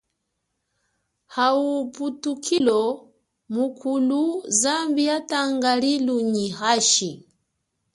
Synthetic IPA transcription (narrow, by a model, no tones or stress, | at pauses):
hauputukʰilɔ | mukʰuluzambiataŋɡaliluɲihaʃi